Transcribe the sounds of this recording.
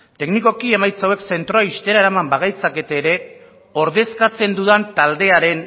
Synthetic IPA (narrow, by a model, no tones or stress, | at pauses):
t̪e̞kniko̞kie̞majt͡sawe̞kse̞nt̪ɾoaist̪e̞ɾaeɾamambaɣ̞ajt͡sake̞t̪eːɾe̞ | o̞ɾðe̞skat͡se̞nd̪uðant̪ald̪e̞aɾe̞n